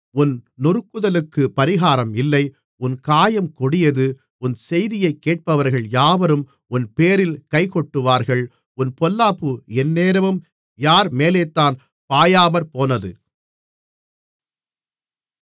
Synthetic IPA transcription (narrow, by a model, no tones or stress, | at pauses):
ʊnnʊɾɯkːɯðɐlɯkːɯpɐɾɪɣaːɾɐmɪlːɐɪ | ʊnkaːjɐmkɔɽɪjɐðɯ | ʊnsɛjðɪjɐɪkːeːʈ̚pɐʋɐɾɣɐɭjaːʋɐɾɯm | ʊnpeːɾɪlkɐɪkɔʈːɯʋaːɾɣɐɭ | ʊnpɔlːaːpːɯɛnːeːɾɐʋɯm | jaːɾmeːleːt̪ːaːn | paːjaːmɐɾpoːnɐðɯ